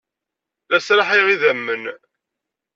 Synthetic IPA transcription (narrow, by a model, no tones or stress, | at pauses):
æsɾaħiʁiðæmːən